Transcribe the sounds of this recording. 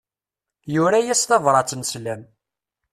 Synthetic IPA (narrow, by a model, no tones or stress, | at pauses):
juɾæjæst̪ɑvɾˤɑt͡sːənslæm